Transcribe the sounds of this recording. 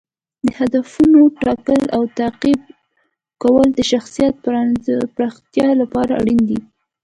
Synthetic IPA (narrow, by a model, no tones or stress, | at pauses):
d̪əhad̪afunoʈɑkəlawt̪aqib̚ | kawəld̪əʃaxsijat̪̚ | pɾɑxt̪jɑlapɑɾaa̰ɽind̪i